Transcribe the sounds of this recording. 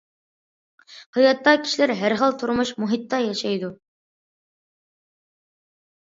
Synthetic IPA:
hɤjɑt̪ːɑkʲʰi̥ʃlæɾɦæɾχəlˠt̪ʰʊɾmʊʃmuɦit̪ːɑjɑʃɑjd̪ʊ

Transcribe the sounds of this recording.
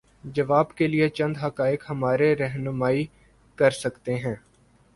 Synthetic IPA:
d͡ʒɐʋaːbkeliet͡ʃɐ̃nd̪ɦɐkaːɪkhɐmaːɾeɾɛɦnʊmaːi | kɐɾsɐkt̪eɦɛ̃ː

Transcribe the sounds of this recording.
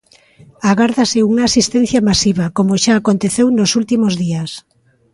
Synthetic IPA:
aɣaɾðaseuŋaːsist̪ɛn̟θjamasiβakomoʃaːkont̪eθewnosult̪imozðias

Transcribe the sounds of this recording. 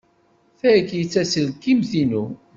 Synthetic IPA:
θækːjət͡sːæsəlkːimθinu

